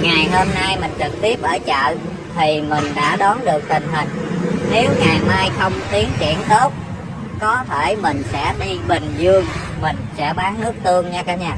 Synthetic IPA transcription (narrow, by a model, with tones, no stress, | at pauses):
ŋaː˨˩jɦo˧mna˧jmï˨˩ŋ̟t͡ɕɨ˨˩k̚t̪i˦˥əp̚ʔəː˧˩t͡ɕə̰ː˧˨j | t̪ʰi˨˩mï˨˩ŋ̟ɗa̰ː˧˥ɗɔ˨˦nɗɨ˨˩ək̚t̪ï˨˩ŋ̟ɦï˨˩ŋ̟ne˨˦wŋaː˨˩jmaː˧jxə˧wŋ͡mt̪i˨˦əŋkḭ˧˩ənt̪o˦˥t̚ | kɔ˨˦t̪ʰe˧˩jmï˨˩ŋ̟sɛ̰˧˥ɗi˧ɓï˨˩ŋ̟zɨ˧əŋ | mï˨˩ŋ̟sɛ̰˧˥ɓaː˨˦ŋnɨ˦˥ək̚t̪ʰɨ˧əŋɲaː˧kaː˨˦ɲaː˧˩